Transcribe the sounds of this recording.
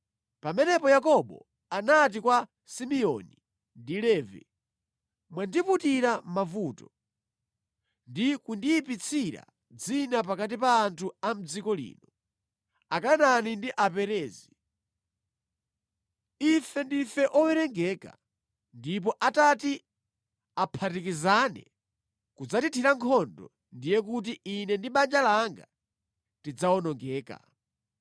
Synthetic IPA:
pamɛnɛpɔjakɔɓɔ̰ | anat̬ikwa | simiɔ̰ni | ndilɛːvḭ | mwandiputiɾamavutɔ | ndikundiːpit͡sʰiɾa̰ | d͡zinapakat̬ipaːntʰuam̩d͡zikɔlḭːnɔ | akananindiʔapɛɾɛːzi | ifɛndifɛʔɔwɛɾɛŋɡɛka̰ | ndip̬ɔʔatati | apʰatikizanɛ̰ | kud͡zatitʰiɾaŋkʰɔndɔ̰ | ndijɛk̬ut̬iʔinɛndiɓand͡ʒalaŋɡa̰ | tid͡zaɔnɔŋɡɛːka̰

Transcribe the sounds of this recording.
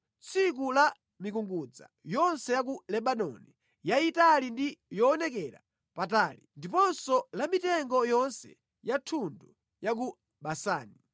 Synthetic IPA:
t͡sʰik̬ula | mik̬uŋɡud͡za̰ | jɔnsɛjak̬ulɛɓanɔ̰ni | jaitalindijɔːnɛkɛɾa̰ | pataːlindipɔnsɔlamitɛŋɡɔjɔnsɛ̰ | jatʰundu | jak̬u | ɓasa̰ːni

